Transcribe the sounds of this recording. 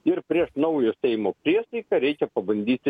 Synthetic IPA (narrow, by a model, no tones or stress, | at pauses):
ɪɾpʲɾʲiɛʃnɐʊjoːsʲɛɪmoːpʲɾʲiɛsɐɪkɐɾʲɛɪkʲɛpɐbɐnʲd̪ʲiːt̪ʲɪ